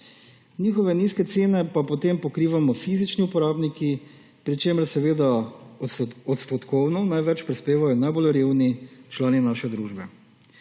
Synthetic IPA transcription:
nʲiːxɔʋɛniskɛt̪seːnɛpapɔt̪empɔkɾiːʋamɔfiːzit͡ʃniupɔɾaːbniki | pɾit͡ʃeːməɾsɛʋeːd̪a | ɔt̪st̪ɔt̪kɔwnɔnajʋɛt͡ʃpɾispeːʋajɔnajbolɾeːwnit͡ʃlaːninaʃɛd̪ɾuːʒbɛ

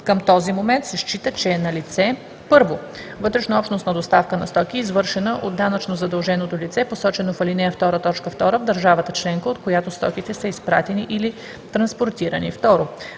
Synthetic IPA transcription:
kəmt̪ɔzimomɛnt̪sɛʃt͡ʃit̪ət͡ʃɛːnɐlit̪sɛ | pɤɾvo | vɤt̪ɾɛʃnɐɔpʃt̪nost̪nɐd̪ost̪afkənɐst̪ɔkʲiizvɤɾʃɛnəʔod̪ːanət͡ʃnozɐd̪ɐlˠʒɛnot̪olit̪sɛposɔt͡ʃɛnofɐlinɛft̪ɔɾət̪ɔt͡ʃkəft̪ɔɾəvd̪əɾʒavət̪ət͡ʃlɛŋkəot̪kojat̪ost̪ɔ̰kit̪ɛsəispɾa̰t̪ɛniʔili | t̪ɾɐnspoɾt̪iɾənḭft̪ɔɾo

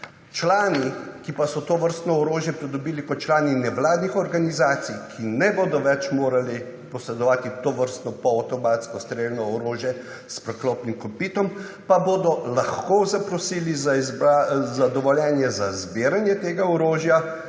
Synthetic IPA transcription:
t͡ʃlaːnikipasɔt̪oʋəɾst̪nɔɔɾoːʒjɛpɾid̪ɔbiːlikɔt̪̚t͡ʃlaːninɛʋlaːd̪nixɔɾɡanizaːt̪sijkʰinɛboːd̪ɔʋɛt͡ʃmoːɾali | pɔsɾɛd̪ɔʋaːt̪it̪oʋəɾst̪nɔpɔːt̪ɔmaːt̪skɔst̪ɾelnɔɔɾoːʒjɛ | spɾɛklɔːpnimkɔpiːt̪ɔmpaboːd̪ɔlaxkozapɾɔsiːlizazbazad̪ɔʋɔljɛːnjɛzazbeːɾanjɛt̪eːɡaɔɾoːʒja

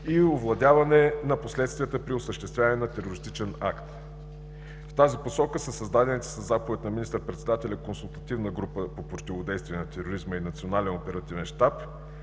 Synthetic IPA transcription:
iovlˠɐd̪ʲavɐnɛnɐposlɛt̪st̪viət̪əpɾiosəʃt̪ɛst̪vʲavənɛnɐt̪ɛɾoɾist̪it͡ʃɛna̰kt̪ | ft̪aziposɔkəsəsɐzd̪ad̪ɛnɛt̪ɛ̥səzːapovɛt̪nɐminist̪əɾpɾɛt̪sɛd̪at̪ɛlʲəkonsulˠt̪ɐt̪ivnəɡɾupəpopɾot̪ivod̪ɛjst̪viɛnɐt̪ɛɾoɾizməinɐt̪sionalɛnopɛɾɐt̪ivɛnʃt̪ap

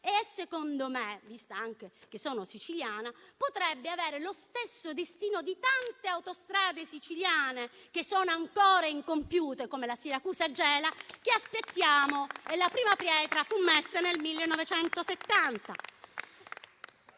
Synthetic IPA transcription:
esekond̪omevist̪aaŋk̟ek̟esːɔːnosit͡ʃiljaːnapot̪ɾɛbːeaveːɾelost̪esːod̪est̪iːnod̪it̪ant̪eawt̪ost̪ɾaːd̪esit͡ʃiljaːne | k̟esːɔːnoaŋkɔːɾaiŋkompjuːt̪ekomelasiɾakuːsad͡ʒɛːlak̟easpet̪ːjaːmoelːapɾiːmapɾjɛːt̪ɾafumːesːanelmilːenːɔvet͡ʃɛnt̪oset̪ːant̪a

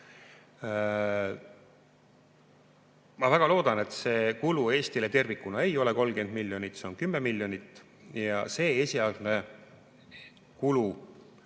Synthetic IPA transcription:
mɑvæɡ̥ɑlo̞ːd̪̥ɑne̞t̪ːse̞ːkulue̞ːst̪ile̞t̪e̞rvikːˑunɑe̞jo̞le̞ko̞lmɡe̞nd̪milʲːjo̞nit̪ːˑse̞o̞nkymːemilʲːjo̞nit̪ːˑ | jɑ̰se̞ːesʲiɑld̪ne | kulu

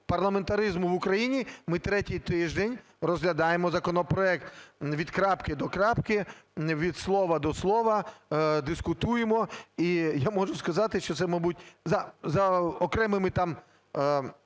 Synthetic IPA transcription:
pɐrlˠɐment̪ɐɾɪzmʊʋʊkɾɐjinʲimɪt̪ɾɛtʲijt̪ɪʒd̪enʲ | rɔzɦlʲɐd̪ɑjemɔzɐkɔnɔpɾɔɛkt̪ʋʲid̪kɾɑpkɪd̪ɔkɾɑpkɪʋʲid̪slˠɔʋɐd̪ɔslˠɔʋɐd̪ɪskʊt̪ujemɔijamɔʒʊskɐzɑt̪ɪʃt͡ʃɔt̪sɛmɐbutʲzɐzɐɔkɾɛmɪmɪt̪ɑm

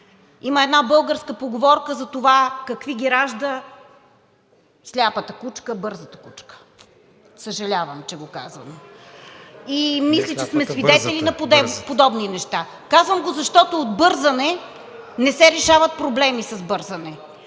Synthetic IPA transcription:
iməɛd̪nabɤlˠɡəɾskəpoɡovɔɾkəzɐt̪ovakɐkviɡʲiɾaʒd̪ə | slʲapət̪əkut͡ʃkəbɤɾzət̪ə̥kut͡ʃkə̥ | səʒɐlʲavəmt͡ʃɛɡoka̰zɐ̰no | imislʲit͡ʃɛsmɛsvid̪ɛt̪ɛlinɐpod̪ɛpod̪ɔbninɛʃt̪a | kazvəmɡozɐʃt̪ɔt̪oːd̪bɤɾzɐnɛ | nɛsɛɾɛʃavɐt̪̚pɾoblɛmisɐzbɤɾzɐnɛ

